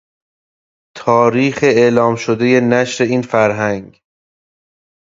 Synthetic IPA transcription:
t̪ʰɒːɾiːxe̞eːlɒːmʃod̪e̞je̞næʃɾe̞iːnfæɾɦæŋɡ

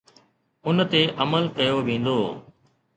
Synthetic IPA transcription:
ʊnt̪eːʔəməlkɐjoːʋẽːnd̪oː

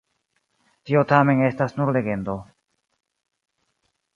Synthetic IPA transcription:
t̪iot̪amenest̪asnuɾleɡend̪o

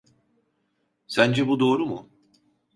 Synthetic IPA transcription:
sænd͡ʒɛbud̪o̞ːɾumu

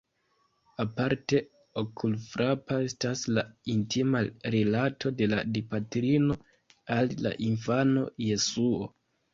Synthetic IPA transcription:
apaɾte̞ | okʰulfɾapae̞staslaintʰimaɾilatʰo̞de̞ladipatɾino̞ | alla̰ʔinfano̞̰jesuo̞̰

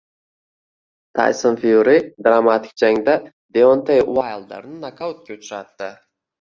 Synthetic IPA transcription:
t̪ʰa̰jsonfijuɾɪd̪ɾamat̪ʰɪ̥k̚ʲd͡ʒaŋd̪a | d̪eont̪ʰejwajlˠd̪a̰ɾnɪnakʰawt̪̚kʲʰʊt͡ʃʰɾat̪ːɪ

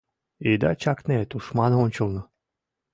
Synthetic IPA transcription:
ed̪at͡ɕɑknet̪uʃmɑnɤonʲt͡ɕɤ̆lˠnɤ̆

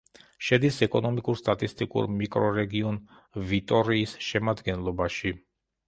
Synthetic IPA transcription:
ʃɛd̪isɛkʼɔnɔmikʼuɾst̪ʼat̪ʼist̪ʼikʼṵɾmikʼɾɔɾɛɡiɔn | vit̪ʼɔɾiːsʃɛmad̪ɡɛnlˠɔbaʃi

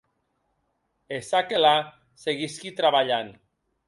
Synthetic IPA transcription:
esakela | seɣiskit̪ɾaβaʎan

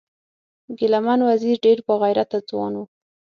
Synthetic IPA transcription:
ɡɪlamanwaziɾɖeɾpəɣajɾat̪ad͡zwɑ̰nwu

